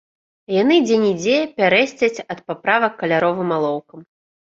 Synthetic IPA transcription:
janɨd͡zʲɛnʲid͡zʲejpʲaɾɛsʲt͡sʲɐt͡sʲɐt̪̚papɾavɐkːɐlʲaɾɔvɨmalˠɔwkɐm

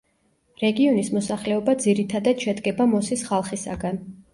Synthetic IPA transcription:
ɾɛɡiɔnismɔsaχlɛɔbad̪ziɾit̪ʰad̪at̪ʃɛd̪ɡɛbamɔsisχalˠχisa̰ɡan

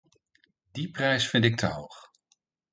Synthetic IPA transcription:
diprɛjsfɪntɪk̚tʰəɦowχ

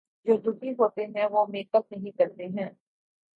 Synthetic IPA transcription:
d͡ʒoːd̪ʱʊkiɦoːt̪eɦɛ̃ʋoːmeːkək̚nɐɦĩkɐɾt̪eɦɛ̃ː

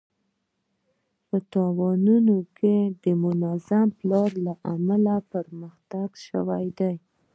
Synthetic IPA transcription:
pət̪ɑwɑnunokʰed̪əmʊnazamplɑɾlaʔamalapəɾməxt̪aɡʃə̰wajd̪aj

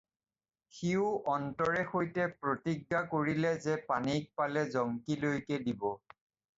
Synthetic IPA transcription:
xiʊʔɔntɔɹɛxojtɛpɹotiɡːakoɹilɛzɛpanik̚palɛzɔŋkilojkɛdibɔ

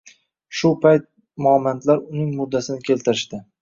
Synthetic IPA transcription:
ʃʊpʰajt̪̚ | mʊamːant̪ʰlaɾʊnɪŋmʊd̪ːasɪnɪkʲʰe̞lt̪ʰɪɾɪʃt̪ɪ

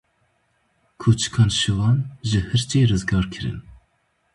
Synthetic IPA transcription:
kʰoːt͡ʃʰkʰɑːnʃɨvɑːnʒɨhɨɾt͡ʃeːrɨzɡɑːɾkʰɨɾɨ̰n

